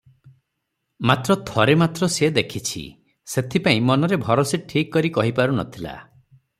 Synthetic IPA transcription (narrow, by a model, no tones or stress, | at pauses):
mat̪ɾɔt̪ʰɔɾemat̪ɾɔsed̪ekʰit͡ʃʰḭ | set̪ʰipaĩmɔnɔɾebʱɔɾɔseʈʰikːɔɾikɔɦipaɾunɔ̰t̪ʰila̰